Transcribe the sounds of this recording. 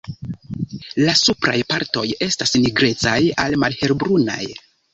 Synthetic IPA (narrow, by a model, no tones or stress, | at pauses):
lasupɾa̰jpaɾto̞je̞stasniɡɾe̞t͡sajalmalhe̞ɾbɾuna̰j